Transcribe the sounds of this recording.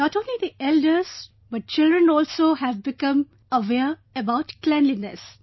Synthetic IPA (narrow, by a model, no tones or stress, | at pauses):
nɔʈõnlid̪iʔɛldəɾs | bʌʈ̚t͡ʃɪldɾə̃nɔːlsohævbɪkʌ̃m | əʋɛɾəbaʊʈklæ̃nlinɛ̰s